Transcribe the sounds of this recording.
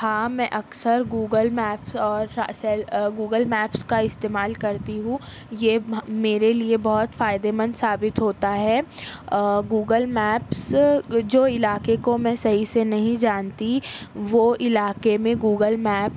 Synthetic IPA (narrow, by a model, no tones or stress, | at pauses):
hãːmɛ̃ʔɐksəɾɡuːɡəlmɛːpsɔːɾsɛɡuːɡəlmɛːpskaɪst̪eːmaːlkɐɾt̪iɦũ | jemeːɾeliebɐɦʊt̪faːɪd̪emɐ̃nd̪saːbɪt̪ɦoːt̪aɦɛː | ɡuːɡəlmɛːpsd͡ʒoːɪlaːkekomɛ̃ːsɐɦisenɐɦĩd͡ʒaːnt̪iʋoːɪlaːkemẽɡuːɡəlmɛːp